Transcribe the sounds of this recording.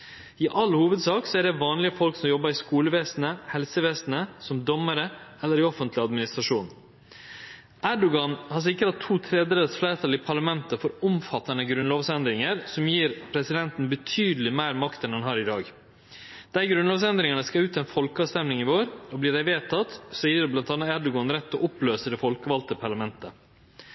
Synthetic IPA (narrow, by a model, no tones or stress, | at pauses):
ɪʔɑlhuːʋəd̪sɑːksɔæɖɛʋɑːnlɪəfɔlksɔmjɔbːɑɾɪskuːləʋeːsn̩əhɛlsəʋeːsnəsɔmd̪ɔmːəɾəɛlːəɾɪɔfənt̪ʰlɪɑd̪mɪnɪst̪ɾɑʂuːn | ʔæɖʊɡɑnhɑs̬ɪkːəɾɑt̪ʰːuːt̪ʰɾɛd̪ɾɛsflæɪɾt̪ʰɑlɪpʰɑɭɑmɛnt̪əfɔɾʊmfɑt̪ːɑnəɡɾʉnloːʋsɛnd̪ɾɪŋəɾsɔmjiːɾpʰɾɛsɪd̪ɛnt̪n̩bət̪ʰyːd̪lɪmæɪɾmɑkt̪ɛnɛnɦɑːɾɪd̪ɑːɡ | d̪̥æɪɡɾʉnloːʋsɛnd̪ɾɪŋəɳəskɑʉːt̪ɛnfɔlkəɑːst̪ɛmlɪŋɪʋoːɾɔblɪːɖæɪʋeːt̪ʰɑt̪sɔːiːəɾblɑnt̪ɑnːɑæɖʊɡɑnɾɛt̪ːɔʔɔpløːsəd̪ɛfɔlkəʋɑlt̪əpʰɑɭɑmɛnt̪ə